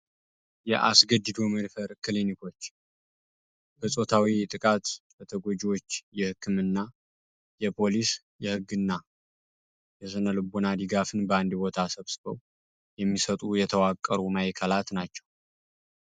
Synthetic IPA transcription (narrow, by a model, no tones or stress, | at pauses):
jɛʔa̰sɡəd͡ʒɨd̪oməd̪fəɾkʰɨlinikʰo̞t͡ʃː | bəsʼo̞t̪ʰawit̪ʼɨkʼat̪bət̪ʰəɡod͡ʒiwo̞t͡ʃːjɛhɨkʰːɨmɨnːa | jɛpʰo̞lis | jɛhɨɡːɨnːa | jɛs̬ɨnəlɨbunad̪ɨɡafɨnbəand̪ibo̞t̪ʰasəβsɨbəw | jɛmːisət̪ʼujɛt̪ʰəwakʼːəɾumajkʰəlat̪nat͡ʃːɛ̥w